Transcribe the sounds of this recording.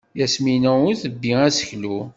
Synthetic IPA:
jæsminæʊɾθəbːiæsə̥çlu

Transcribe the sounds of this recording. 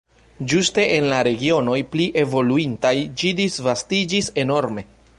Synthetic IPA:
d͡ʒuste̞ʔenlaɾe̞ɡio̞no̞jpliʔe̞vo̞luintajd͡ʒidisvastid͡ʒise̞no̞ɾme̞

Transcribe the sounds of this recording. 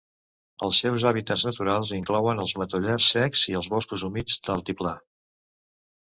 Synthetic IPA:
ə̰lˠsɛwzaβit̪əznət̪uɾalˠziŋklɔwənəlˠzmət̪uʎɛsːɛkz̥iəlˠzβɔskuzumid͡zd̪əlˠt̪ipla

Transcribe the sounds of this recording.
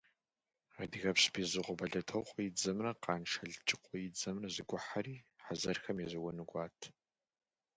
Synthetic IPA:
adɨɣɐpɕbizɨʁʷɔbɐɮɐtʰɐwqʷʼɔjid͡zɐmrɐqɑːnʃɐɮt͡ʃʼɪqʷʼɔjɪd͡zɐmrɐzɨɡʷʊħaɾiːħazɐrxɐmjɛzɐwɔnɨɡʷɑːtʰ

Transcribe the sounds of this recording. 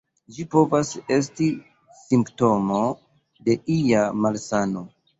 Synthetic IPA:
ʒipo̞vase̞s̬ti | simpto̞mo | de̞ʔijamalsano̞

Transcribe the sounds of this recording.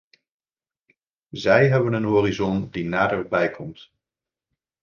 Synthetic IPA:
zɛjɦɛbənənɦoːrizɔndinaːdərbɛjkʰɔmt

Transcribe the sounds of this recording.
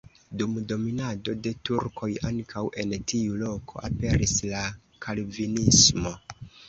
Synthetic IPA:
dumdo̞minado̞de̞tuɾkʰo̞jaŋkʰawʔe̞ntʰiulo̞kʰo̞̰ʔape̞ɾisla | kʰalvinismo̞

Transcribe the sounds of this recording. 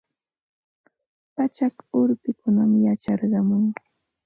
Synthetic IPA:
pat͡ʃakʊɾpɪkʊnamjat͡ʃɑɾɢɑmʊŋ

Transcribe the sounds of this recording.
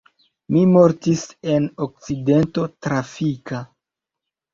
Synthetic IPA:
mimo̞ɾtise̞nok̚t͡side̞nto̞tɾafika

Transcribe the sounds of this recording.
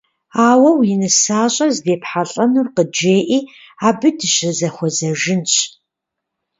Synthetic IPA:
aːwɐwinɨsaːɕʼɐzbeːpħaɬʼɐnurqəd͡ʒeːʔiː | aːbɨdɨɕɪzɐxʷɔzɐʒɪnɕʼ

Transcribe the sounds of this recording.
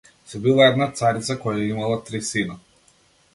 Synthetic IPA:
sɔbilˠaɛd̪nat̪saɾit̪sakɔjaimalˠat̪ɾisina

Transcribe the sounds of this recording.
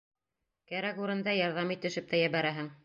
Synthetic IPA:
kæɾækuɾɤ̆nd̪ɑjɑɾðɑmit̪ːɘ̆ʃɘp̚t̪æjæβæɾæɦɘŋ

